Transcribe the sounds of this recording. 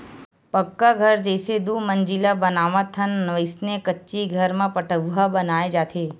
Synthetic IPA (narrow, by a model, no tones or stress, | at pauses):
pəkːaɡʱəɾd͡ʒəjsed̪uməɲd͡ʒilabənaʋãt̪ʰənʋəjsnekətːt͡ʃiɡʱəɾmãpəʈəʋɦabənaed͡ʒat̪ʰe